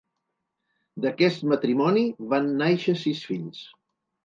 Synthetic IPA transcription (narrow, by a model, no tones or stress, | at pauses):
d̪əkɛst̪mət̪ɾimɔniβanːajʃəsisfiʎs